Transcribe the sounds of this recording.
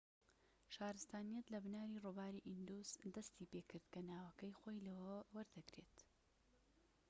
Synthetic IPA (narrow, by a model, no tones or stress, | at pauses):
ʃaːɾɨst̪aːnijɐt̪lɐbnaːɾiːrubaːɾiʔind̪usd̪ɐst̪ipekɨɾd̪kɐnaːwɐkɐjxoːjlɐwɐwɐɾd̪ɐkɾet̪